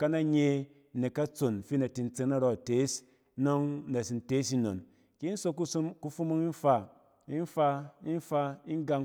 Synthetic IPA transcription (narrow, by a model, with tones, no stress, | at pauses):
ka˦na˦ɲe˧˨ | ne˨ka˦t͡so˨n˨fi˦na˨ti˧n̩˦t͡se˨˧ŋna˦ɾo˦˨te˨˦s | no˦ŋ˦na˨si˧n˨te˦s̬i˧no̰˨n | ki˦n̩˦so˧ko˦ku˦fu˦mu˦ŋi˦n˦fa˧ | i˦n˦fa˧i˦n˦fa˧i˦n˦ɡa˧ŋ